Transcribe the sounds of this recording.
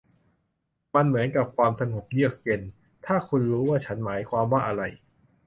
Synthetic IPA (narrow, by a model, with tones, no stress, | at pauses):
ma˧nmɯ˩˦nka˨˩p̚kʰwaː˧msa˧ŋo˨˩p̚jɯ˥˩ək̚je˧n | t̪ʰaː˥˩kʰu˧nɾuː˦˥waː˥˩t͡ɕʰa˦˥nmaː˩˦jkʰwaː˧mwaː˥˩ʔa˧ɾa˧j